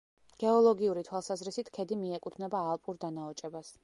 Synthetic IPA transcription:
ɡ̥ɛɔlˠɔɡiuɾit̪ʰwalˠsazɾisit̪ʰkʰɛd̪imiɛkʼut̪ʰnɛbaːlˠpʼuɾd̪anaɔt͡ʃʼɛbas

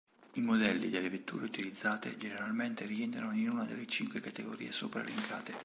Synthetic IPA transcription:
imod̪ɛlːḭd̪elːevet̪ːuːɾeut̪ilid̪zːaːt̪ḛd͡ʒeneɾalment̪erient̪ɾanoinunad̪elːet͡ʃiŋkwekat̪eɡoɾḭːesopɾa̰liŋkʰa̰ːt̪e

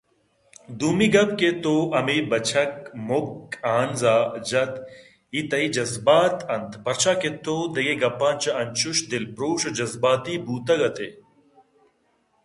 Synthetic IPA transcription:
d̪uːmiɡɐbket̪oːʔɐmiːbɐt͡ʃʰɐkmokaːnzaːd͡ʒɐt̪ | it̪ɐid͡ʒɐzbaːt̪ɐnt̪pɐɾt͡ʃʰaːket̪oːd̪ɐɡeɡɐpːaːnt͡ʃɐɐnt͡ʃuʃd̪ɪlpɾoːʃɐd͡ʒɐzbaːt̪iːbuːt̪ɐɡɐt̪eː

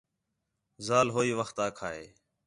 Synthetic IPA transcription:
zaːlɦoːiːʋəxt̪aːkʰaːḛː

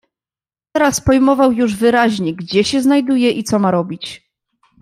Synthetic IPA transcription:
t̪ɛɾaspɔjmɔvawjuʐvɘɾaʑɲɛɡd͡ʑɛɕɛznajd̪ujɛʔit̪sɔmaɾɔbʲit͡ɕ

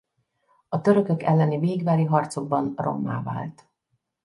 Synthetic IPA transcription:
ɒt̪ø̞ɾø̞kø̞kɛlːɛniveːɡvaːɾiɦɒrt̪so̞ɡ̚bɒnro̞̰mːa̰ːva̰ːlt̪

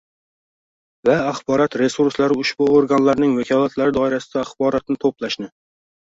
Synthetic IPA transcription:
vaːχbɒɾɒt̪ɾe̞suɾslaɾɪʊʃb̥uoɾɡanlaɾnɪŋvakʲʰɒlˠat̪laɾɪd̪ɒɪɾasɪ̥d̪̥aːχbɒɾɒt̪̚nɪt̪ʰoplaʃnɪ

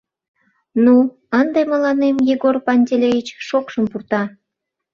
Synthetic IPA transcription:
nu | ənd̪emə̆lɑnemjiɣorpɑnʲtʲelʲejit͡ɕʃokʃəmpurt̪ɑ

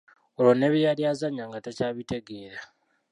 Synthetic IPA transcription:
olone̞βijaljaːzaɲaŋɡatacaːβite̞ɡeːɾa

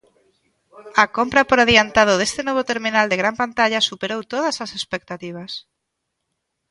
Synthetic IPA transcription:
akompɾapoɾaðiant̪aðoð̞est̪enoβ̞ot̪eɾminald̪eɣɾampant̪aʎasupeɾowt̪oðasasespek̚t̪at̪iβ̞as

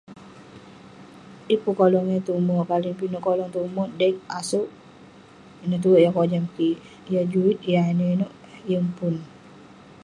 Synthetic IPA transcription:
ʔipukolɔŋət̪umɔkaliŋpinuʔkɔlɔŋt̪umɔdɛk̚asuʔ | nət̪̬uʔjakod͡ʒamki | jad͡ʒuit̪̚janəinuʔ | jəŋpun

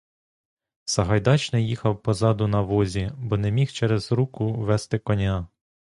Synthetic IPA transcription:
sɐɦɐjd̪ɑt͡ʃnɪjixɐwpɔzɑd̪ʊnɐʋɔzʲibɔnemʲixt͡ʃɛɾɛzɾukʊʋɛst̪ɪkɔnʲa

